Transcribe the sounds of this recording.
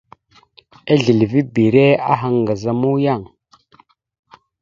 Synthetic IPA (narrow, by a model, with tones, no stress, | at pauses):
e˦ɮi˨lvi˦bi˨ɾe˦a̰˦ɦa˨ŋɡa˨za˨mu˦ja˦˨ŋ